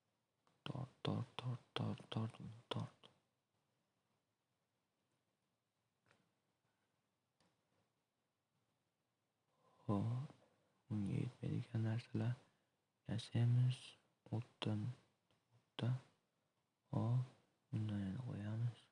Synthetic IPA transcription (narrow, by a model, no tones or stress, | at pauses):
t̪ʰɒ̰ɾt̪ʰːɒ̰ɾt̪ʰːɒɾt̪ʰːɒɾt̪ʰːɒɾt̪mʊnat̪ʰɒɾt̪ | hɒ | ʊŋɡʲa̰jḛt̪ma̰jd̪ɪɡʲanːaɾsalaɾ | jaʃajmɪz̥ | ot̪ːɪn | ot̪ːa | hɒ | bʊnd̪anjanaqʰo̰jamɪz̥